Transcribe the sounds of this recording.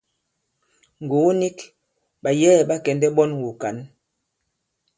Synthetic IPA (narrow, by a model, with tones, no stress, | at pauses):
ŋ˨ɡu˨˦ni˦k | ɓa˨jɛː˦˨ɓa˦kɛ˨ndɛ˦ɓɔ˦nwu˨ka˨˦n